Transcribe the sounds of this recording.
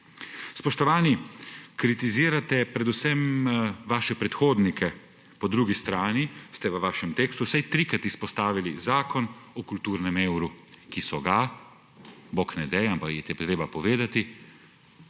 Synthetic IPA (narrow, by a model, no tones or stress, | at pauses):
spɔʃt̪ɔʋaːnikɾit̪iziːɾat̪ɛpɾɛd̪usɛmʋaːʃɛpɾɛt̪xoːd̪nikʰɛ | pɔd̪ɾuɡist̪ɾaːnist̪ɛʋəʋaːʃɛmt̪eːkst̪usɛjt̪ɾikɾat̪ispɔst̪aːʋilizaːkɔnɔkult̪uːɾnɛmeːwɾukisɔɡa | boknɛd̪ɛjɛampakjɛt̪ɛt̪ɾeːbapɔʋeːd̪at̪i